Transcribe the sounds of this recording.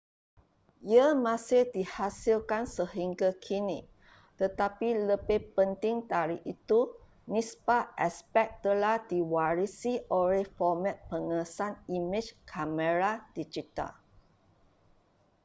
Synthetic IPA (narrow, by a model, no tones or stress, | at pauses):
jəmãsidihasilkansəhiŋɡakʰinĩk̚ | t̪ət̪apiləbehpənt̪iŋt̪aɾiʔit̪u | nĩspaʔɛspɛk̚t̪əlahdiwaɹisiʔɔɹefɔmɛ̃t̪̚pəŋəsanimĩt͡ʃkʰaməɹad̥id͡ʒit̪a̰l